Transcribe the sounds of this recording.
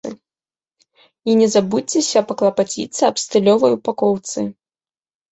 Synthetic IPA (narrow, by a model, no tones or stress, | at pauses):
ɨ̰ | inʲɛzabut͡sʲːɛsʲɐpɐklˠɐpat͡sʲḭt̪sɨɐpst̪ɨlʲɔvɐjupakɔwt̪sɨ